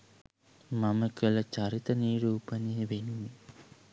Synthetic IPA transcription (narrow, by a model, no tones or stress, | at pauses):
mɐmɐkɐlɐt͡ʃaɾit̪ɐniːɾuːpɐniʋenumi